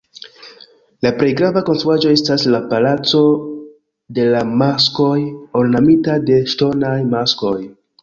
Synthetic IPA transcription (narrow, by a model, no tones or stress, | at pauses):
lapɾe̞jɡɾavako̞nstɾuad͡ʒo̞e̞staslapalat͡so̞ | de̞lamasko̞jo̞lnamitade̞ʃto̞najmasko̞j